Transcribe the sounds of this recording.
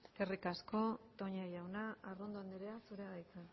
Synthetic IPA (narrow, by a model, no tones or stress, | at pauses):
erikasko̞t̪o̞ɲaʝawnaːrond̪oand̪eɾeasuɾeɣajt͡san